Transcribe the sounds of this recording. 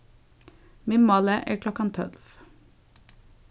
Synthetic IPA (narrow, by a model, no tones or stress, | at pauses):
mɪmɑləʔæːkʰlɔkɑnt̪ʰɔ̰lf